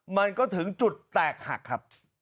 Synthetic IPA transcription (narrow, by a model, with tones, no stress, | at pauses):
maː˨˩ŋkɔ˨˦t̪ʰɨ˨˩˦ŋt͡ɕu˨˩t̪̚t̪aː˨˩k̚ha̰˨˩k̚xaː˦˥p̚